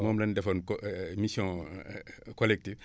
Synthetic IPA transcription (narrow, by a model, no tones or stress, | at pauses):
mɔmlɐndɛfɔnkmisjɔ̃ | kɔlɛk̚tif